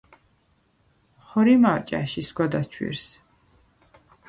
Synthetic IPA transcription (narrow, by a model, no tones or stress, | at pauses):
χɔɾimat͡ʃʼa̰ʃisɡɔd̪at͡ʃʰwḭɾs